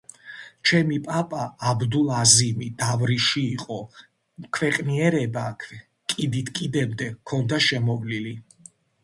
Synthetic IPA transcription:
t͡ʃʰɛmipʼapʼaːbd̪ulˠazimid̪̥avɾiʃiːqʼɔ | kʰwɛqʼniɛɾɛbakʰɛ | kʼid̪it̪ʰkʼid̪ɛbd̪ɛkʰɔnd̪aʃɛmɔvlili

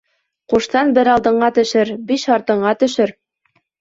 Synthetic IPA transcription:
quʃt̪ɑnbɘɾɑlˠd̪ɤ̆ɴɢɑt̪ɵ̆ʃɘɾbiʃɑɾt̪ɤ̆ɴɢɑt̪ɵ̆ʃɘɾ

